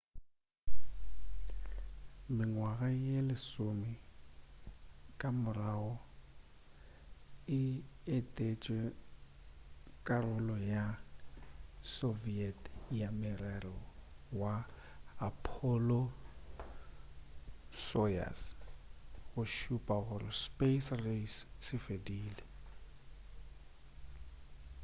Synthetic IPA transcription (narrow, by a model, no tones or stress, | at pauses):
mɪŋwaɣajelɪsomi | kʼamʊraɔ | ɪetʼet͡ʃʼwɛ | kʼarʊlɔja | soviɛtʰjamɪrarɔwa | apʰɔlɔ | sɔja̰s | ɣʊʃupʼaɣʊrɪspʼesressɪfediːlɪ